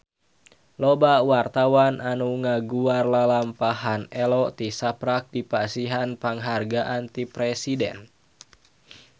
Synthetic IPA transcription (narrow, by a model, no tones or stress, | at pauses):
lɔbawart̪awanʔanuŋaɡuarlalampahanɛlɔt̪isapɾak̚dipasiɦanpaŋɦarɡaʔant̪ipɾɛsidɛ̰n